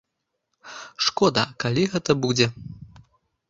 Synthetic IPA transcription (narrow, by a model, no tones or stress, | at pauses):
ʂkɔd̪ɐ̰kalʲiɣɛt̪ɐbud͡zʲɛ